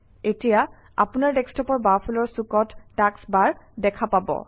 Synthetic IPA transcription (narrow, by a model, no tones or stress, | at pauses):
etija | a̰punaɹdɛkstɔpɔɹbaɹpʰulɔɹsukɔtːaksbaɹdɛkʰapabɔ̰